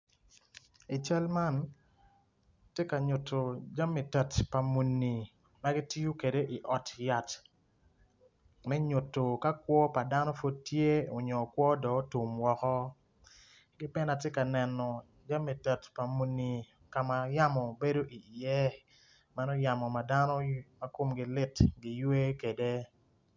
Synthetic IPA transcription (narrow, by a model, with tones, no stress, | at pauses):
i˨t͡ʃa˦lma˦˨n | tje˦ka˨ɲʊ˨tʰːo˨d͡ʒa˦mːi˨tə˨tpa˨mu˨nːi˨ | ma˦ɡi˦ti˦ju˦ke˨de˦ʔi˨ʔɔ˨tja˨t | mɛ˦ɲʊ˨tːo˨ka˦kwɔ˦pa˨da˦nɔ˦fo˦d̚tje˦o˨ɲɔ˨kwɔ˦dɔ˨˦tu˨mwɔ˨kɔ˦ | ɡɪ˦pɛ˦na˨t̬je˦ka˨nɛ˨nɔ˨ | d͡ʒa˦mːi˨tə˨tpa˨mu˨nːi˨ | ka˨ma˨ja˦mɔ˨be˦do˦ʔi˨jɛ˦ | ma˦nɔ˦ja˨mɔ˨ma˨da˦no˦ma˨ko˦mɡi˨lɪ˦tɡi˨jwe˦ke˨de˦